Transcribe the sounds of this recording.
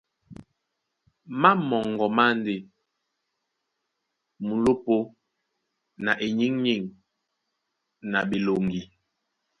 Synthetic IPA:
ma˦mɔ˨ŋɡɔ˨ma˦n˦de˨ | mu˨lo˦po˦ | na˨ʔe˨ɲi˦ŋɲi˦˨ŋ | na˨bi˨lo˨ŋɡi˨

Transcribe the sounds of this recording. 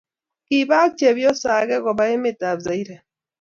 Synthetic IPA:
kiβa˦kt͡ʃe˨βjo˦sa˨ɣɛ˦ɣo˨βa˦e˦meta˨βza˨i˦ɾe˨

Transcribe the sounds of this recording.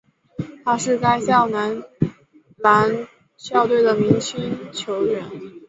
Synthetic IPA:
t̪ʰa˥ʂɻ̩˥˩ka˥ɪɕjɑ˥˩ʊna˧˥n | la˧˥n | ɕjɑ˥˧ʊt̪we˥˩ɪd̪ə˩mi˧˥ŋt͡ɕʰi˥nt͡ɕʰjo˧˥ʊɥɛ˨˩˦n

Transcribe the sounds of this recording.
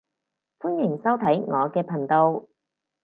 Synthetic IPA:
fuː˥njɪ˨˩ŋsɐ˥wt̪ʰɐ˨˥jŋɔː˨˧kɛː˧pʰɐ˨˩nt̪o˧w

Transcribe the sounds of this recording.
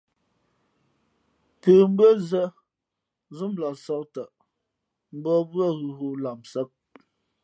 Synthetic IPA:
pə˨m̩˦bə˦zə˦ | zu˦mla˨sɔ˦k̚tə˨ʔ | m̩˦bɔ˦bɰɔ˦˨ɣʉ˨ɣu˦la˨msə˦p̚

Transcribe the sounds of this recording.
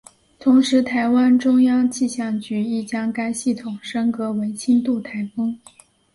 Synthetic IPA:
t̪ʰʊ˧˥ŋʂɻ̩˧˥t̪ʰa˧˥ɪwa˥nʈ͡ʂʊ˥ŋjɑ˥ŋt͡ɕi˥˧ɕjɑ˥˩ŋt͡ɕy˧˥i˥˩t͡ɕjɑ˥ŋka˥ɪɕi˥˩t̪ʰʊ˨˩ŋʂɤ˥ŋkɤ˧˥we˧˥ɪt͡ɕʰi˥nt̪u˥˩t̪ʰa˧˥ɪfɤ˥ŋ

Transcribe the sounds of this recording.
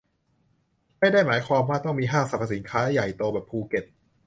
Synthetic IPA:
ma˥˩jdaː˥˩jmaː˩˦jkʰwaː˧mwaː˥˩t̪ɔ˥˩ŋmiː˧ɦaː˥˩ŋsa˨˩pʰa˧˩si˩˦nkʰaː˦˥ja˨˩jt̪oː˧bɛː˨˩pʰːuː˧ke˨˩t̪̚

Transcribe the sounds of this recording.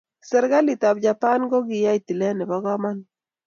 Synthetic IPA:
sɛ˦ɾɡa˦li˨t̪a˨b̚d͡ʒa˨pa˦nɡɔ˦ɡɪ˨ja˦i˨t̪i˨lɛ˦nɪ˨ba˦ɡɔ˦ma˦n

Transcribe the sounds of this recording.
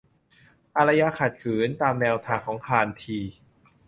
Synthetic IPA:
ʔa˧ɾa˧ja˧kʰa˨˩t̪̚kʰɯː˩˦nt̪aː˧mnɛː˧wt̪ʰaː˧˩kʰɔː˩˦ŋkʰaː˧nt̪ʰiː˧

